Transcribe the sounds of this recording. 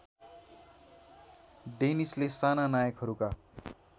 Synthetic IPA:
ɖenislesananajʌkɦʌɾuka

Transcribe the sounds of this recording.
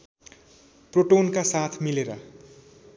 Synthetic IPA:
proʈonkasat̪ʰmileɾʌ̰

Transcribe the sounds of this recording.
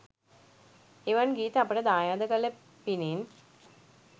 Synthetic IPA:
iʋɐnɡiːt̪ɐpːɐɽed̪aːjaːd̪ɐkɐle | pinin

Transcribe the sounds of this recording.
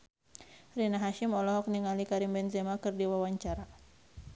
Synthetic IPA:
rinaɦaʃimɔlɔɦɔk̚niŋalikaɾimbɛnzɛmakɨrdiwawaɲt͡ʃaɾa

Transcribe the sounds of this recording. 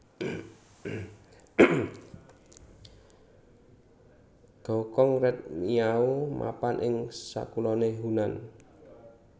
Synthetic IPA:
ɡ̥ɔ̤kɔŋrɛt̪̚miaomʔa̰panʔɪŋsa̰kulɔneɦunan

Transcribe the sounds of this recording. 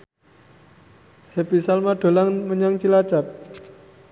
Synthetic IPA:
hepisalmaɖ̥o̤laŋməɲaŋt͡ʃilat͡ʃap̚

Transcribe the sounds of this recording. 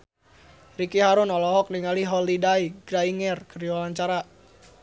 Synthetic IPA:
rikiɦaɾʊnɔlɔɦɔk̚niŋaliɦɔlidaiɡ̥ɾaiŋɛrkəriwalaɲt͡ʃaɾa

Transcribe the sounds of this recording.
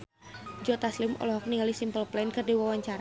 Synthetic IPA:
d͡ʒɔt̪aslɪmʔɔ̰lɔɦɔk̚niŋɡalisimpəlplankɨrdiwawaɲt͡ʃaɾa

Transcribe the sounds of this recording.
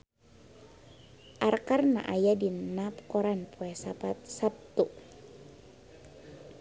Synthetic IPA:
ʔarkarna̰ʔajadinap̚kɔɾanpʰoɛsapat̪̚sap̚t̪u

